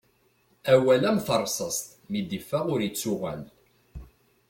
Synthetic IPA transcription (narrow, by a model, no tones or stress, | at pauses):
æwælæmθərˤːsˤəst̪mid̪ifːæʁʊɾjət͡sːʊʁæl